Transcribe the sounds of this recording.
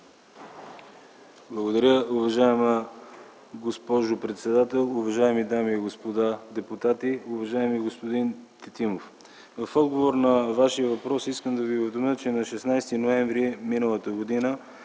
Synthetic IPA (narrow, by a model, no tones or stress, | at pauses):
blˠəɡod̪ɐɾʲəuvɐʒaɛmə | ɡospɔʒʊpɾɛt̪sɛd̪at̪ɛlˠʊvɐʒaɛmid̪amiɡospod̪ad̪ɛput̪at̪iʊvɐʒaɛmiɡospod̪int̪ɛt̪imof | vɐfɔd̪ɡovoɾnɐvaʃijəvɐpɾɔsiskəmd̪ɐviovd̪omət͡ʃɛnɐʃɛsnajst̪inoɛ̃ɱvɾiminəlˠət̪əɡod̪inə